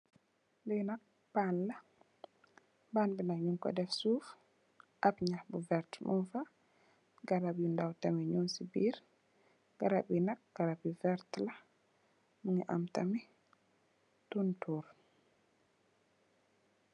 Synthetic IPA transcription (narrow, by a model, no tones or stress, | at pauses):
lɛnak̚ | panla | banbinaɲuŋkɔ̰dɛfsuf | ʔabɲahbuvɛɾtmunfa | ɡaɾabjundawtamiɲonsibiːɾ | ɡ̥aɾabinak̚ɡ̥aɾabivɛɾtla | muŋiʔa̰mtami | tuntuɾ